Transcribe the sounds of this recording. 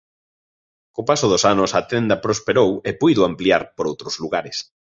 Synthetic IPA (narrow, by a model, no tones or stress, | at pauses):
kopasʊð̞osanʊsɐt̪ɛnd̪ɐpɾospeɾowepujðoampliaɾpoɾowt̪ɾʊzluɣaɾɪs